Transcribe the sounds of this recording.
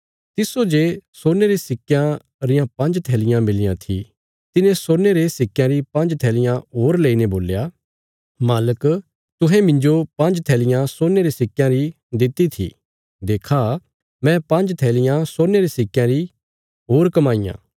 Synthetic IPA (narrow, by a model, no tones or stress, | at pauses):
t̪ɪsod͡ʒeːsoːɾneɾesɪkjã | ɾɪjãpɐ̃nd͡ʒt̪ʰɛːlɪjãmɪlɪjãt̪ʰḭ | t̪ɪnẽsoːneɾesɪkːjãɾipɐ̃nd͡ʒt̪ʰɛːlɪjãɦoːɾleːineboːlja | maːlək | t̪ʊɦɛ̃mɪ̃ɲd͡ʒopɐ̃nd͡ʒt̪ʰɛːlɪjãsoːneɾesɪkːjãɾi | d̪ɪt̪ːit̪ʰḭ | d̪eːkʰa | mɛ̃pɐ̃nd͡ʒt̪ʰɛːlɪjãsoːneɾesɪkːjãɾi | ɦoːɾkɐmaːijã̰